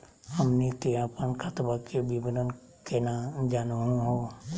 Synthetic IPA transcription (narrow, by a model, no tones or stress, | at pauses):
həmnikeapənkʰət̪bakebibənən | kenad͡ʒaːnoɦũɦo